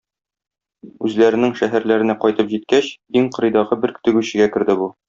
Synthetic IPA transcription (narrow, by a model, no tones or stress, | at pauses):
ʉzlæɾɘ̆nɘŋʃæɦæɾlæɾɘ̆næqɒjt̪ɤpʑit̪̚kæɕ | iŋqɤ̆ɾɤ̆jd̪ɑʁɤbɘɾkɵ̥̆t̪ɘ̆ɡʉɕɘ̆ɡækɘ̆ɾd̪ɘbu